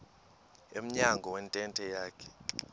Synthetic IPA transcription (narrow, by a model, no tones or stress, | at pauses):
em̩ɲaŋɡʱɔwɛntʼɛntʼɛjaːkʰɛ̥